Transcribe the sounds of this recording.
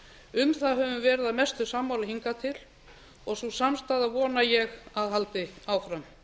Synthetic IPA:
ʏmθaɦɛvʏmvɛːɾɪðaðmɛst̪ʏsamːawlaɦiŋkat̪ʰɪl | ɔɣsusamst̪aːðavɔːnajɛɣaðɦalt̪ɪaːwfɾam

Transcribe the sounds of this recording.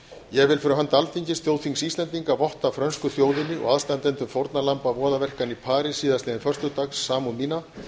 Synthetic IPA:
jɛɣvɪlfʏːɾʏɦant̪alt̪iɲcɪsθjoːwθiŋksist̪lɛnt̪iŋkavɔht̪afɾœnskʏθjoːwðɪnːɪʔɔ̰ɣaðst̪ant̪ɛnt̪ʏmfowɾt̪nalampavɔːðavɛr̥kanipʰaːɾɪsiːðast̪ɛːðɪnfœr̥t̪ʏt̪axsːaːmunmiːna

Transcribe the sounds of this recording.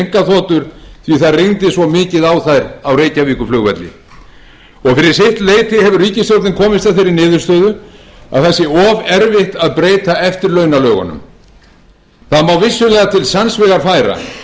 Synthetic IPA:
ŋ̥kaθɔːt̪ʏɾ̥θviθaðrɪnt̪ɪsvɔmɪːcɪðawθajɾawrejcaviːkʏflʏɣvɛ̰t̪lɪ̰ | ɔɣfɪɾɪɾ̥sɪjht̪leːjt̪ɪhɛvʏɾriːcɪst̪oɾt̪nɪnkʰɔːmɪst̪aðfɪɾɪɾnɪːðʏ̥st̪œːɥðʏa̰ðθɛsːɪɔːvɛɾvɪht̪aðpɾeːjt̪aɛft̪ɪɾlœːɥnalœːɣa̰nʏ̰m | θaðmawvɪsːʏlɛːɣat̪ʰɪlsansvɪɣaɾfajɾa̰

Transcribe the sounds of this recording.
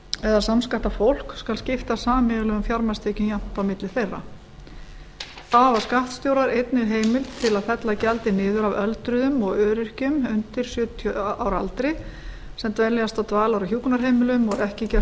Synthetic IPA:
ɛðaðsamskaht̪afowl̥kskalscɪft̪asaːmɛɣlœɣʏmfjaɾmast̪ʰeːcʏnjan̥t̪awmɪt̪lɪθejrːa̰ | avaskaht̪st̪jowɾaɾejt̪nɪɾɦeːjmɪlt̪ʰɪlaðθɛt̪lacɛlt̪ɪnɪːðʏɾavœlt̪ɾʏðʏmɔɣœːɾɪr̥cʏmʏnt̪ɪɾ̥sjʏːt̪ʰjœaːwɾa̰lt̪ɾɪ | sɛmt̪vɛljast̪at̪vaːlawɾaçjuːknaɾ̥ɦejmɪlʏmɔɣɛhcɪcɛ

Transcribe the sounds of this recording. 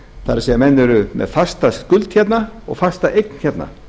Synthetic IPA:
θaɾɪsɛjamɛnːɪɾʏmʔɛ̰ðfḁst̪askʏlt̪çɛt̪naɔ̰ɣfḁst̪aʔejk̚nçɛt̪na̰

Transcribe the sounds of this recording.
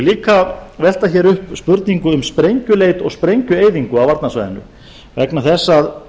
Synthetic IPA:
liːkavɛl̥t̪açɛːɾʏhpspʏɾt̪niŋkʏʏmspɾejɲcʏleːjt̪ɔɣspɾejɲcʏeːjðiŋkʏawvaɾt̪nasva̰ːjðɪ̰nːʏ̰ | vɛknaθɛsːað

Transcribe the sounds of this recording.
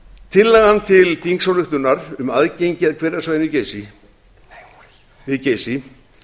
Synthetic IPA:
t̪ʰɪlːɛɣhanːt̪ʰɪlkiŋksawlʏht̪ʏnːaɾ̥ʏmaðcejɲcɪaðkʰvɛːɾasvaːjɪnɪceːjsi | vɪðceːjsi

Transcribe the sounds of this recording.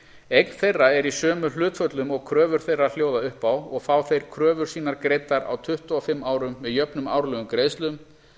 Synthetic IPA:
ejkn̥θejrːaɛɾisœːmʏl̥ʏːt̪fœt̪lʏmɔɣkʰɾœːvʏɾ̥θejrːal̥joːwðaʏhpawɔɣfaːwθejɾ̥kʰɾœːvʏɾ̥siːnaɾkɾejt̪aɾa̰wt̪ʰʏht̪uɔfɪmːaːwɾʏmːɛðjœpnʏma̰ːwɾlœːɣʏmkɾeːjst̪lʏm

